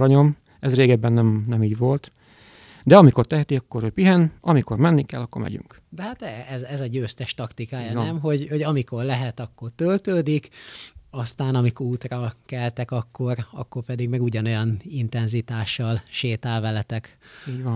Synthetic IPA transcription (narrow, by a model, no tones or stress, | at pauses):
ɾɒɲo̞m | ɛzreːɡɛbːɛnːɛmnɛmiːɟʋo̞lt̪ | d̪ɛɒmiko̞rt̪ɛɦɛt̪iɒkːo̞ɾøːpiɦɛnɒmiko̞rmɛnːikɛlːɒkːo̞̰rmɛ̰ɟy̰ŋk | d̪ɛɦaːt̪ɛɛzɛzɛɟøːst̪ɛʃt̪ɒkt̪ikaːjɒɛmɦo̞ɟho̞ɟɒmiko̞rlɛɦɛt̪ɒkːo̞rt̪ølt̪øːd̪ikɒst̪aːnɒmikuːt̪rɒkɛlt̪ɛkɒkːo̞ɾɒ̰kːo̞rpɛd̪iɡmɛɡuɟɒno̞jɒnint̪ɛnzit̪aːʃːɒlʃeːt̪aːlvɛlɛt̪ɛkiːɟʋɒn